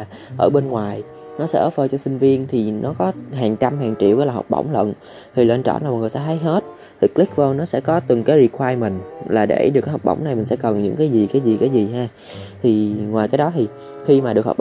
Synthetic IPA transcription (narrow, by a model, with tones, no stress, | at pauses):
ʔəː˧˩ɓe˧nŋwaː˨˩j | nɔ˨˦sɛ̰˧˥ʔəː˨˦fəː˧t͡ɕɔ˧sï˧ŋ̟vi˧ənt̪ʰi˨˩nɔ˨˦kɔ˨˦ɦaː˨˩ŋt͡ɕa˧mɦaː˨˩ŋt͡ɕḭ˧˨wvə˨˦laː˨˩ɦɔ̰˨˩k͡p̚ɓə̰˧˩wŋ͡mlə̰˧˨n | t̪ʰi˨˩ləː˧nt͡ɕɔ̰˧˩nlaː˨˩mɔ˨˩t̚ɨ˨˩t̪aː˧˩ɦ̪ʰa˨˦jɦe˦˥t̚ | t̪ʰï˨˩k̚lï˦˥k̚və˧wnɔ˨˦sɛ̰˧˥kɔ˨˦t̪ɨ˨˩ŋkaː˨˦jzi˧˩kʰwaː˧jmï˨˩ŋ̟laː˨˩ɗḛ˧˩ɗɨ˨˩kːa˨˦jhk͡p̚ɓə̰˧˩wŋ͡mna˨˩jmï˨˩ŋ̟sɛ̰˧˥kə˨˩nɲɨ̰˧˥ŋkaː˨˦jzi˨˩kaː˨˦jzi˨˩kaː˨˦jzi˨˩haː˧ | t̪ʰi˨˩ŋwaː˨˩jkaː˨˦jɗɔ˨˦t̪ʰi˨˩ | xi˧maː˨˩ɗɨ˨˩ək̚hk͡p̚